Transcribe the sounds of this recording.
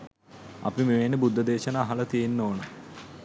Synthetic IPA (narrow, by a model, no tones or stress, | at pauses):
ɐ̰pimeʋenːəbud̪ːəd̪eːʃənaːɦɐlɐt̪ijenːoːnə